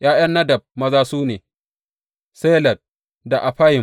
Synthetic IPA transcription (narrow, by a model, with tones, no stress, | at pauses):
j̰ʔaː˦j̰ɐ˦nːɐ˦dɐ˨b̚mɐ˦zaː˦suː˦neː˨ | seː˦lɐ˨t̚ | da˨ʔa˨ɸa˦jɪ˨m